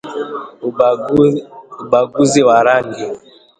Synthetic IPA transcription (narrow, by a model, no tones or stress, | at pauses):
baɡuziwaɾaŋɡi